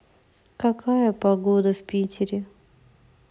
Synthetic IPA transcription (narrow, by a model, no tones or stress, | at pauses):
kɐkajəpɐɡod̪əfpʲitʲʰɪɾʲɪ